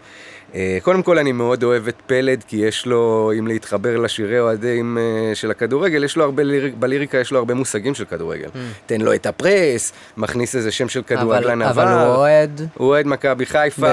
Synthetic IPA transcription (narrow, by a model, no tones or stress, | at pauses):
eko̞d̪e̞mko̞lanimeo̞do̞e̞vetpe̞le̞dkijeʃlo̞imleit̪χabe̞ʁlaʃiʁeoadeimʃelakaduʁe̞ɡe̞ljeʃloaʁbelibaliʁikajeʃlo̞aʁbe̞musaɡimʃelkaduʁeɡelte̞nlo̞etapʁes | maχnise̞zeʃe̞mʃe̞lkaduʁeɡelanavaed̪uoed̪makabiχajfa